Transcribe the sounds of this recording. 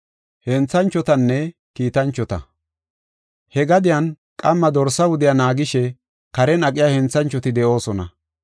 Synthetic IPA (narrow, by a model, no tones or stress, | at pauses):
hɛnt͡sːɐnt͡ʃːɔt̪ɐnːɛ | kiːt̪ɐnt͡ʃːɔt̪ɐ̰ | hɛɡɐd̪ɪjɐn | kʼɐmːɐd̪ɔɾsɐwʊd̪ɪjanaːɡɪʃɛ | kɐɾɛnɐkʼːɪjaːhɛnt͡sːɐnt͡ʃːɔt̪ɪd̪ɛʔo̞ːsɔnɐ̰